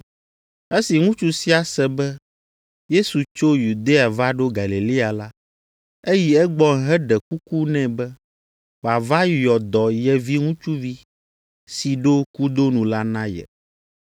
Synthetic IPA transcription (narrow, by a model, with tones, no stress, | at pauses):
e˦si˨ŋũ˦t͡ʃu˦si˦a˨sɛ˨bɛ˦ | je˦su˨t͡ʃo˦ju˨d̪e˦a˨va˦ɖo˦ɡa˨li˨li˦a˨la˦ | e˦ji˨ɛ˦ɡ͡bɔ˦ŋ˨ɦɛ˦ɖɛ˨ku˦ku˦nɛ̃˨bɛ˦ | wa˨va˦jɔ˨d̪ɔ˨jɛ˨vi˦ŋũ˦t͡ʃu˦vi˦ | si˨ɖo˦ku˦d̪o˦nũ˨la˦nã˦jɛ̰˨